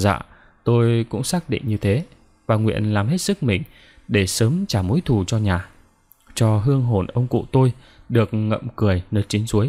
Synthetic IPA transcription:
za̰ː˧˨ | t̪o˧jkʊ̰˧˥ŋ͡msaː˦˥k̚ɗḭ̈˧˨ŋ̟ɲɨ˧t̪ʰe˨˦ | vaː˨˩ŋwḭ˧˨ənlaː˨˩mɦe˦˥t̚sɨ˦˥k̚mï˨˩ŋ̟ | ɗe˧˩səː˨˦mt͡ɕaː˧˩mo˨˦jt̪ʰu˨˩t͡ɕɔ˧ɲaː˨˩ | t͡ɕɔ˧ɦɨ˧əŋɦo˨˩nʔə˧wŋ͡mkṵ˧˨t̪o˧j | ɗɨ˨˩ək̚ŋə̰˧˨mkɨ˧˩əjnəː˨˩t̚t͡ɕi˨˦ənzu˨˦əj

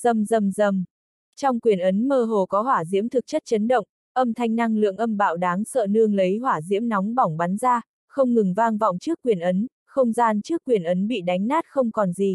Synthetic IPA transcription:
zə˨˩mzə˨˩mzə˨˩m | t͡ɕɔ˧wŋ͡mkwi˨˩ənʔə˨˦nməː˧ɦo˨˩kɔ˨˦ɦwaː˧˩zḭ˧˥əmt̪ʰɨ˨˩k̚t͡ɕə˦˥t̚t͡ɕə˨˦nɗə̰˧˨wŋ͡m | ʔə˧mt̪ʰa˧jŋ̟na˧ŋlɨ̰˧˨əŋʔə˧mɓa̰ː˧˨wɗaː˨˦ŋsə̰ː˧˨nɨ˧əŋlə˨˦jɦwaː˧˩zḭ˧˥əmnɔ˨˦wŋ͡mɓɔ˧˩wŋ͡mɓa˨˦nzaː˧ | xə˧wŋ͡mŋɨ˨˩ŋvaː˧ŋvɔ̰˧˨wŋ͡mt͡ɕɨ˦˥əkːwi˨˩ənʔə˨˦n | xə˧wŋ͡mzaː˧nt͡ɕɨ˦˥əkːwi˨˩ənʔə˨˦nɓḭ˧˨ɗa˨˦jŋ̟naː˦˥t̚xə˧wŋ͡mkɔ˨˩nzi˨˩

